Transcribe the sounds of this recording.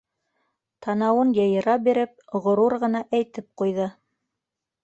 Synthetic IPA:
t̪ʰɑnɑwɤnjɤ̆jɤ̆ɾɑbiɾɘp̚ʁŏɾuɾʁɤ̆nɑʔæjt̪ɘp̚qujðɤ

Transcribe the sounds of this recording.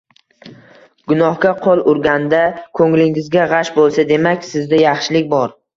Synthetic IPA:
ɡ̥ʊnɒhkʲaqʰolˠʊɾɡʲand̪akʰɵŋlɪŋɪzɡʲaʁɑʃbolˠsad̪e̞makʲsɪzd̪ajɑχʃɪlɪkʲbɒɾ

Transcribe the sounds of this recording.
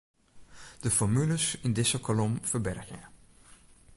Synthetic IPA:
d̥əfɔɹmyləsɪndɪsəkʰolɔmfəɹbɛrxə̰

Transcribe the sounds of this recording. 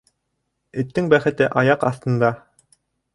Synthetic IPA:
ɘ̆t̪ːɘŋbæχɘ̆t̪ɘʔɑjɑqɑ̰θt̪ɤ̆nd̪ɑ

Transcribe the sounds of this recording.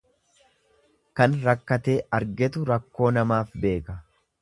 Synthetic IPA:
kɐnɾɐkːɐt̪e̞ːɐɾɡɛt̪ʊɾɐkːo̞ːnɐmaːfbe̞ːkɐ

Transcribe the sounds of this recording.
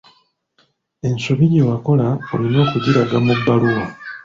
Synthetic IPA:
e̞nso̞βiɟewako̞laolino̞ːkuɟiɾaɡamubːaluwa

